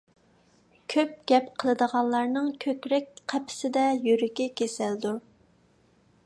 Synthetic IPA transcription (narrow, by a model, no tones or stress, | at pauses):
kʲʰøp̚ɡ̥ʲɛpqʰəlˠəd̪əʁɑnˠlˠɑɾnɨŋkʲʰøkʲɾɛk̚ʲqʰæpʰɪ̥sɪd̪ɛjyɾɪkʲɛkʲʰesɪld̪u